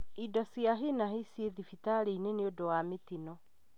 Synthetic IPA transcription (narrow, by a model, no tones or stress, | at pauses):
idɔsjaɦenahesieðifitaɾeineneodowametinɔ